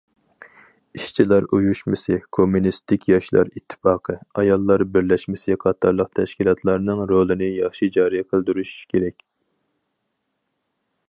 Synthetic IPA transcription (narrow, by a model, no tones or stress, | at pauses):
iʃt͡ʃʰilɑɾujuʃmɨsɨkʰomːunist̪ɪkʲjɑʃlˠɑ̰ɾit̪ʰːɪ̥fɑːqʰəɑjɑlˠːɑɾbɪɾlɛʃmɪsɪqʰɑt̪ʰːɑɾlˠəq̚t̪ʰɛʃkʲilˠɑt̪ʰlˠɑɾnɨŋɾolˠɨnɪjɑχʃid͡ʒɑːɾijqʰəlˠd̪yɾuʃu̥ʃkʲʰeɾɛkʲ